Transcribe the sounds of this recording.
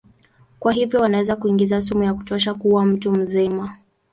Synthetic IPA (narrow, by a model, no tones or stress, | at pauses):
kwaɦivjɔwanawɛzakuiŋɡizas̬umujaku̥tɔʃakuwam̩tum̩zima